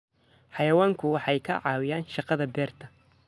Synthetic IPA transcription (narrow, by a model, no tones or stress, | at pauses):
ħɑjɐwaːŋkʰʊwɑħɑjkʰɐʕɑːwɪjaːnʃɑqɑðɐbɛːrt̪ʰɐ